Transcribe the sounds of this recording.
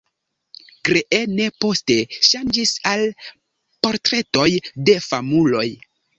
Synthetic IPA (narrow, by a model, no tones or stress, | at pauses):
ɡɾeʔene̞po̞ste̞ʃand͡ʒisal | po̞ɾtɾe̞to̞jde̞famulo̞j